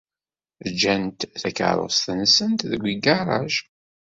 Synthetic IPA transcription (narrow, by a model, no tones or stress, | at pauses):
d͡ʒːænt̪θækə̰ʕɾˤo̰sθənsənt̪ðəɡʷiɡɑɾˤɑ̰ʒ